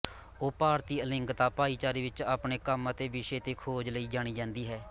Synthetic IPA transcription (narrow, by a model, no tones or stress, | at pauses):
oːpaːɾt̪iːəlɪŋɡt̪aːpaːiːt͡ʃaːɾiːʋɪt͡ʃaːpɳeːkəmət̪eːbɪʃeːt̪eːkʰoːd͡ʒləiːd͡ʒaːɽ̃iːd͡ʒãːnd̪iːɦɛː